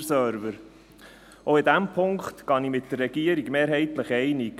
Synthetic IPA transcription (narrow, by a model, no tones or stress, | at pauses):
sœːɾvəɾ | oɪd̪æmpʰʊŋkχt̪kɑnimɪtd̥ərːɛɡ̥iəɾiɡmeːɾɦɛɪt̪ləχɛɪnik